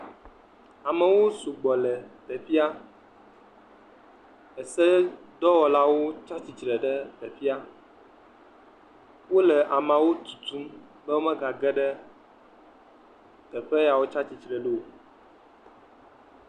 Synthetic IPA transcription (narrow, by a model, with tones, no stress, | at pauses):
a˨mɛ˨wo˦su˨ɡ͡bɔ˨lɛ˨t̪ɛ˨fi˦a˦ | ɛ˨sɛ˦d̪ɔ˦wɔ˨la˦wo˦t͡ʃa˦t͡ɕi˨t͡ʃɾɛ˨ɖɛ˦d̪ɛ˨fi˦a˦ | wo˦lɛ˨ʔa˨mã˨wo˦t̪u̥˨t̪u˦m | bə˦wo˦mɛ˦ɡa˨ɡɛ˦ɖɛ˦ | t̪ɛ˨ɸɛ˦ja˨wo˦t͡ʃa˦t͡ɕi˨t͡ʃɾɛ˨ɖu˦o˨